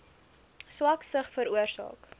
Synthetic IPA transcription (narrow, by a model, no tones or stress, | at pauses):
swɐksəχfəɾuərsɑ̰ːk